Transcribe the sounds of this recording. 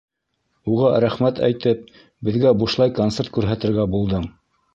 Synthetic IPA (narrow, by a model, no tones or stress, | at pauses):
uʁɑɾæχmæt̪æ̰jt̪ɘp̚ | bɘ̆ðɡæbuʃlˠɑjkont̪seɾt̪kʉɾɦæt̪ɘ̆ɾɡæbulˠd̪ɤm